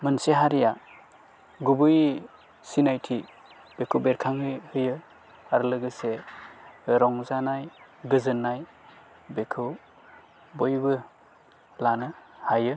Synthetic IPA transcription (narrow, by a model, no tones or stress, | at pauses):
mɯnseɦaɾija | ɡubɯj | sinajtʰi | b̥ekʰɯwbeɾkʰaŋɦɯjhɯjɯ | aɾlɯɡɯse | ɾɔŋzanaj | ɡɯzɯnːaj | bekʰɯw | bɔjbɯ | lanɯhajɯ